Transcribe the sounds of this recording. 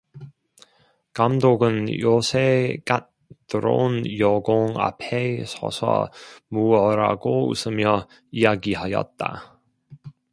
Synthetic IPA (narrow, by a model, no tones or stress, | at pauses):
kamdoɡɯnjosʰekat̚ | tɯɾo̰njoɡoŋa̰pʰesʰʌ̰sʰʌ̰muʌɾa̰ɡoɯ̰sɯmjʌ | ijaɡiɦajʌ̰t̚t͈a̰